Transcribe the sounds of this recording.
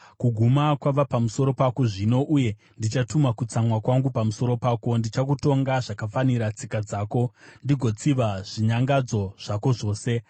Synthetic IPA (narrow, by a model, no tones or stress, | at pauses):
kuɡʱumakwaʋapamuso̞ɾo̞pakoʐino̞ʔuje̞ | ndit͡ʃatumakut͡samwakwaŋɡupamuso̞ɾo̞paːko̞ndit͡ʃak̬uto̞ŋɡaʐakafaniɾat͡sikad͡zaːko̞ndiɡʱo̞t͡siʋaʐ̥iɲaŋɡad͡zo̞ʐ̥ako̞ʐo̞ːse̞